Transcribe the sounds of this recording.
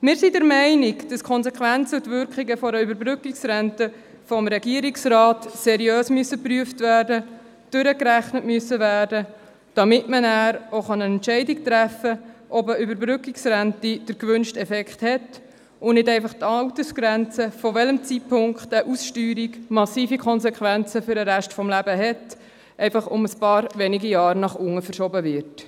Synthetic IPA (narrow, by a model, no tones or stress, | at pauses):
mɪːɾsidəɾmɛɪnikd̥ɑskʰɔnsɛkχʋænt͡səʊtvʏɾkχiɡəfɔɾəybəɾbɾʏkiksɾæntə | fɔmɾɛɡiːəɾiksɾɑːtsɛɾiøːsmyəsːəpryəftvæːrdə | d̥ʏɾəkɾæχnətmyəsːəvæːrdə | d̥ɑmɪtmənæːɾoχɑnənɛntt͡ʃɛɪdik̚t̪ɾæfəʔɔbəʏbəɾbɾʏkiksɾæntid̥əɾkʋʏnʃtɛfɛkχthɛt | ʊnɪdɛɪfɑχt̪ɑwtəsɡ̥ɾænt͡səfɔʋɛləmt͡sipʰʊŋkχtəʔusʃtyːɾiɡmɑsiːfikʰɔnsɛkχʋænt͡səfʏɾəɾæʃtfɔmlæbəɦɛt | ʔɛɪfɑχʊməspɑːɾʋɛniɡijɑːɾnɑχʊŋːəfəɾʃɔbəvɪɾt